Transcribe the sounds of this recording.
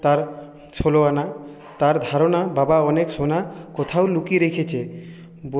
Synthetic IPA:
t̪aɾ | ʃoloana | t̪aɾd̪ʱaɾonababaɔnekʃonakɔt̪ʰaolukiɾekʰet͡ɕʰe | b

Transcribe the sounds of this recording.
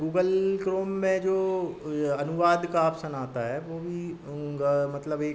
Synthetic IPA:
ɡuːɡəlkɾoːmːẽd͡ʒoː | ɐnʊʋaːd̪kaːpsənaːt̪aɦɛːʋoːbʱi | mɐt̪ləbeːk

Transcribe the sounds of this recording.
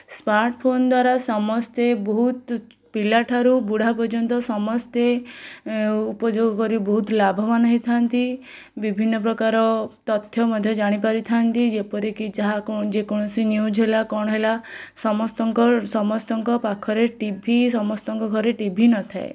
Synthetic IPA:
smaɾʈpʰond̪waɾasɔmɔst̪ebɔɦut̪ | pilaʈʰaɾubuɽ̤apɔɾd͡ʒɔnt̪ɔsɔmɔst̪e | upɔd͡ʒoɡɔkɔɾibɔɦut̪labʱɔmanɔɦit̪ʰant̪i | bibʱinːɔpɾɔkaɾɔt̪ɔt̪ʰjɔmɔd̪ʱjɔd͡ʒaɽ̃ipaɾit̪ʰant̪id͡ʒepɔɾikid͡ʒaɦakɔd͡ʒekɔɽ̃ɔsinjud͡ʒɦelakɔɽ̃ɔɦelasɔmɔst̪ɔŋkɔsɔmɔst̪ɔŋkɔpakʰɔɾeʈibʱisɔmɔst̪ɔŋkɔɡʱɔɾeʈibʱinɔt̪ʰae

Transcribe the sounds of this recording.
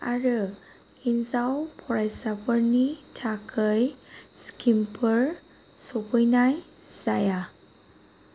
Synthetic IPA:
aɾɯ | inzawpʰɔɾajsapəɾnitʰakʰəjskimpʰəɾ | sɔpujnaj | z̥aja

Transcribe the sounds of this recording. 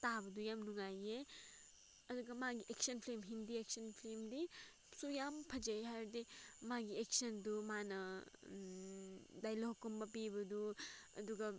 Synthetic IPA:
tabɐdujamnuŋaje | ɐduɡɐmaɡiʔeksɐnpʰlemɦindiek̚sɐnpʰlemdi | sujampʰɐd͡ʒejɦajdimaɡiek̚sɐndumanɐ | dajlokːɔmbɐpibɐduɐ̰duɡɐ

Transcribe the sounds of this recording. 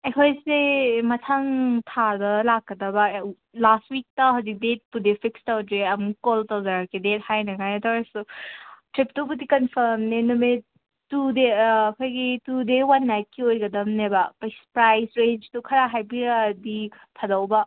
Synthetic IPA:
ekʰojsemɐtʰaŋtʰadɐlakːɐdɐba | lastwik̚tɐɦazik̚det̚pudepʰikstawdɾeɐmkoltowzaɾakʰedet̚hajnɐŋajtʰaɾasutɾip̚tubudikɐnpʰɐɾmnenume | tudeɐkʰojɡitudewanːajt̚kʰːiojɡɐdɐmnebapajspɾajsɾend͡ʒtukʰɐɾaɦajbidi | pʰɐdawbɐ

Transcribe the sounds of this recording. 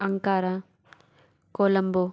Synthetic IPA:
ɐŋkaːɾa | koːlɐmbo

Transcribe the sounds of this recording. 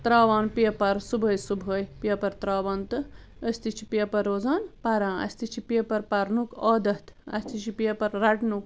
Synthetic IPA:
t̪ɾaːʋaːnpijɐpɐɾsubʱəːjsubʱəːjpijɐpɐɾt̪ɾaːʋɐnt̪ɨ | əsʲt̪it͡ʃʰi̥pijɐpɐɾːoːd͡zaːnpaɾãːɐ̰sʲt̪it͡ʃʰipijɐpɐɾpɐɾnukɔːd̪ɐt̪ɐ̰sʲt̪it͡ʃʰipijɐpɐɾːaʈnuk

